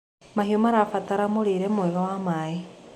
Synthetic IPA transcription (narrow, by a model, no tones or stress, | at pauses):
maɦiomaɾafataɾamuɾiɾemweβowamai